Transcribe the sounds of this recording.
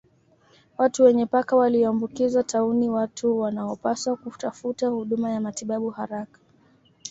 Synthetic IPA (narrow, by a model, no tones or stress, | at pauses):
watuwɛɲɛpakawaliɔambukizatʰauniwatʰuwanaɔpaswakutafutahuɗumajamatiɓaɓuhaɾakḁ